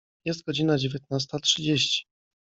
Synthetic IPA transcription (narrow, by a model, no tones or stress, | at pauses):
jɛst̪̚ɡɔd͡ʑinad͡ʑevʲjɛt̪̚nas̬t̪atʂɘd͡ʑeɕt͡ɕi̥